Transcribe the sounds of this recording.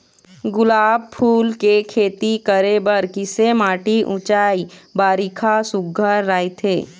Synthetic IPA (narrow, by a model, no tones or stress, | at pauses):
ɡʊlaːb̚pʰuːlkekʰeːt̪ikəɾebəɾkɪsemaːʈiʔʊt͡ʃaːibaːɾikʰasʊɡʱəɾːaːit̪ʰeː